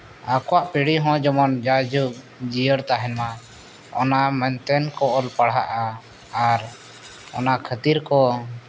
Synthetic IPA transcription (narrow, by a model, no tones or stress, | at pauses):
akɔwaʔpiɽiɦɔ̃d͡ʒɔmɔnd͡ʒad͡ʒuk̚ | d͡ʒijəɽt̪aɦɛnma | ɔ̰namɛnt̪ɛnkɔʔɔlpaɽɦaʔaː | ɾ | ɔ̰nakʰət̪iɾkɔ